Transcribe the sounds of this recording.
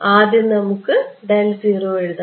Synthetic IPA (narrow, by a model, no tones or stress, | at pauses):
aːðinnɐmukːɨɖelziːroːeɻuða